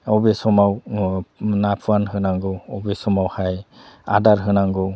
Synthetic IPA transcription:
ɔbesɔmaw | napʰuanhɯnaŋɡɔɔbesɔmawhaja̰daɾɦɯnaŋɡɔ

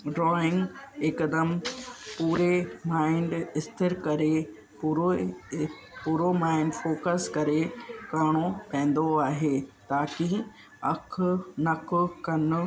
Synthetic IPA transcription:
ɖɾɔːɪ̃ŋɡekəd̪əmpuːɾemaːɪɳɖɪst̪ʰɪɾkɐɾe | pːɾo | puːɾomaːɪɳɖfoːkəskɐɾekaːɽ̃opɛ̃ːn̆d̪oaːɦeːt̪aːki | ɐkʰnɐkʰʊkɐnʊ̆

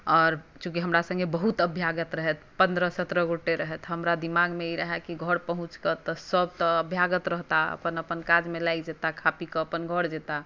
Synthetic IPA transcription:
ɔːɾt͡ʃũkiɦəmɾasə̃ŋɡebəɦut̪əbʱjaɡət̪ɾəɦɛt̪ʰpə̃nd̪ɾəsət̪ɾəɡoʈeɾəɦɛt̪ɦəmɾad̪imaɡmeiɾəɦɛkiɡʱəɽpəɦũt͡ʃkət̪ɔsəb̚t̪ɔəbʱjaɡət̪ɾəɦt̪aə̰pənəpənkad͡ʒmelaid͡ʒet̪akʰapikəːpənɡʱəɽd͡ʒet̪a

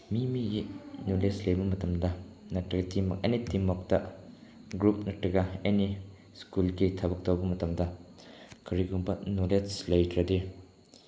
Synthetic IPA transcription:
mimiɡinuleslɐjbɐmɐtɐmdɐnɐtɾɐɡɐtimɔ̰k̚ḛnitimɔk̚tɐ | ɡɾup̚nɐtɾɐɡɐeni | skulɡitʰɐbɐk̚tɐwbɐmɐtɐmdɐ | kɐɾiɡumbɐnuleslɐjdɾɐdi

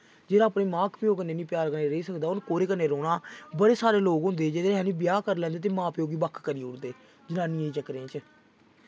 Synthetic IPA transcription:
d͡ʒeːɾaːpneːmãːkpjoːkəneːnĩːpjaːɾkəneːɾəiːsəkd̪aːʊnkoːɾeːkənːeːɾoːɽaːbəɽeːsaːɾeːloːɡɦʊ̃nd̪eːd͡ʒeːdɦɛ̃ːniːbɪjaːkəɾlɛ̃ːnd̪eːt̪eːmãːpjoːɡiːbəkʰkəɾiːʊɽd̪eː | d͡ʒənãːniːãːiːt͡ʃəkɾẽːt͡ʃ

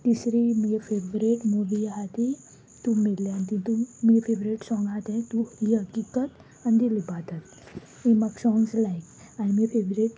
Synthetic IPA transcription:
t̪isɾiməefeʋɾeʈmuʋiaɦat̪i | t̪umilːant̪ĩt̪umiefeʋɾeʈsɔ̃ŋɡat̪ẽt̪uhiɦəkikət̪ | and̪ilibat̪ət̪ | ẽmaɡsɔŋɡslajk | anmifʰeʋɾeʈ

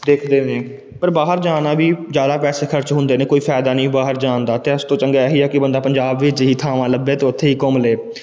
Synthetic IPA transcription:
d̪eːkʰd̪eːneː | pəɾbaːɦəɾd͡ʒaːnaːbiːd͡ʒjaːd̪aːpɛːseːkʰəɾt͡ʃɦʊ̃nd̪eːneːkoːiːpʰɛːd̪aːnĩːbaːɦəɾd͡ʒaːnd̪aːt̪eːəst̪õːt͡ʃəŋɡaːɛɦiːɛːkɪbənd̪aːpəɲd͡ʒaːbʋɪt͡ʃɦiːt̪ʰaːʋãːləbeːt̪eːʊt̪ʰːeːiːkɔmleː

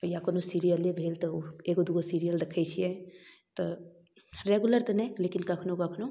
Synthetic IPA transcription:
jakonosiɾijəlebʱelt̪ɔeɡod̪uɡosiɾijəld̪ekʰɛjt͡ʃʰijɛt̪ɔ | ɾeɡuləɾt̪ənɛjlekinkəkʰnokəkʰno

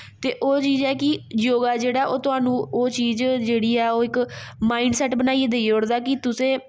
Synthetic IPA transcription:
t̪eːʔoːt͡ʃiːzɛːkɪjoːɡaːd͡ʒeːɽaːʔoːt̪ʊɦaːnũːoːt͡ʃiːzd͡ʒeːɽiːɛːoːɪkmaːĩːɳɖsɛːʈbənaːied̪eːioːɽd̪aːkɪt̪ʊsẽː

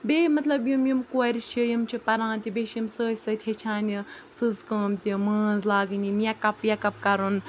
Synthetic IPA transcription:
bʲeːmɐt̪lɐbjumjumkoɐɾʲʃʰijimt͡ʃʰipɐɾãːnt̪ʲibeʃjimsəːsɐt̪ʲʰhet͡ʃʰaːnʲi | sɨzkəːmt̪ʲiməːzlaːɡɨnʲimijɐkɐpjɐkɐp̚kɐɾun

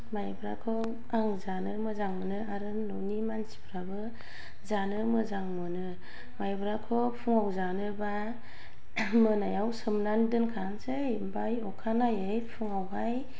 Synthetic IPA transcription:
majbɾakʰɔ | aŋzanɯmɯzaŋmɯnɯaɾɯnɔnimansi̥bʰɾabɯ | zanɯmɯzaŋmɯnɯ | majbɾakʰɔpʰuŋawzanɯba | mɯnajawsɯmnandɯnkʰansej | bajɔkʰanajejpʰuŋawɦaj

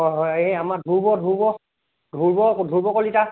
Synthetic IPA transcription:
ɔɦɔeamadʱuɹbɔdʱuɹbɔ | dʱuɹbɔdʱuɹbɔkolita

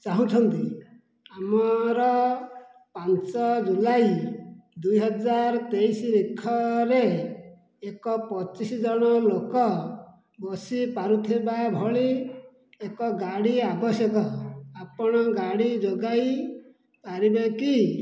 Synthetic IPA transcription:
t͡ʃaɦũt̪ʰɔnt̪i | amɔɾɔ | pant͡ʃɔd͡ʒulajd̪ujɦɔd͡ʒaɾt̪ejsiɾikʰːɔɾe | ekɔpɔt͡ʃisid͡ʒɔɽ̃ɔlokɔ | bɔsipaɾut̪ʰibabʱɔɭi | ekɔɡaɽiabɔsjɔkɔapɔɽ̃ɔɡaɽid͡ʒoɡaj | paɾibeki

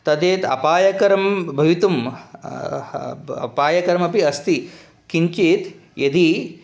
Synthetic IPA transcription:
t̪ɐd̪eːt̪ɐ̰paːjɐkɐɾɐmbʱɐʋit̪um | ɐ̰paːjɐkɐɾmɐpiɐst̪i | kiɲt͡ʃit̪ | jɐd̪i

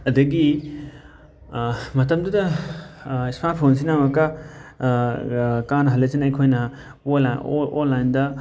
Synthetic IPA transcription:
ɐdɐɡi | mɐtɐmdudɐ | ismaɾt̚pʰons̬inamɐkɐ | kanɐɦɐlːɐsinɐjkʰojnɐ | olːajndɐ

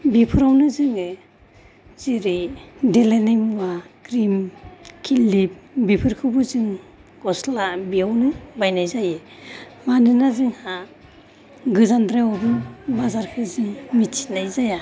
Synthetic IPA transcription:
bipʰɯɾawnɯzɯŋɯ | ziɾidelanajmuwaɡ̥ɾimkʰilip̚bipʰɯɾkʰɯbɯzɯŋ | ɡ̥ɔslabiawnɯbajnajzajɯmanɯnazɯŋha | ɡɯzandɾeɔbɯnbazaɾkʰɯzɯŋmit͡ʃʰi̥najzaja

